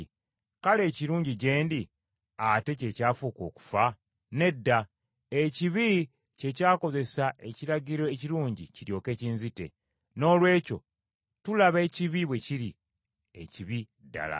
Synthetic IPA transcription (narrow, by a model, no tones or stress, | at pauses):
kale̞ːciɾuːɲɟiɟe̞ːndi | ate̞ce̞caːfuːko̞̰ːku̥fa | ne̞dːa | eciβi | ce̞caːko̞ze̞sae̞ciɾaɟiɾo̞eciɾuːɲɟiciɾjo̞ːke̞ːciːnzite̞̰ | no̞ːlwe̞ːco̞ | tulaβe̞ːciβiβwe̞ciɾi | eciβi | dːa̰la̰